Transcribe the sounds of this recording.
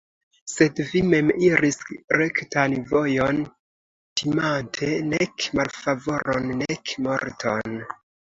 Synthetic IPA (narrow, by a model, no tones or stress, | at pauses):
se̞dvime̞miɾisɾektanvo̞jon | tʰimantʰe̞nekmalfavo̞ɾo̞nːekmo̞̰ɾtʰo̞̰n